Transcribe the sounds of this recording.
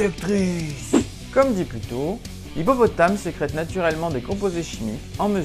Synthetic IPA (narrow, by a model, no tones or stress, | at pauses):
ɛk̚t̪χis | kɔmd̪iplyt̪o | ibɔpɔt̪amsəkχɛt̪nat̪yʁɛlmɑ̃d̪ekɔ̃pozeʃimikɑ̃mə